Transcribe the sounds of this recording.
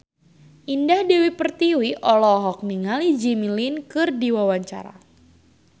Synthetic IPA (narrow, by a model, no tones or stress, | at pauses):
ʔindahdewipərt̪iwiʔɔlɔɦɔk̚miŋalid͡ʒimilinkɨrdiwawaɲt͡ʃa̰ɾa̰